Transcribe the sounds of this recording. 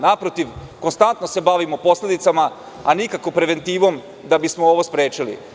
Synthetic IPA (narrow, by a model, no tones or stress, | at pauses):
napɾot̪iʋko̞nst̪ant̪nose̞baʋimopo̞sle̞d̪it̪sama | anikako̞pɾe̞ʋe̞nt̪iːʋo̞m | d̪abismooʋospɾeːt͡ʃilḭ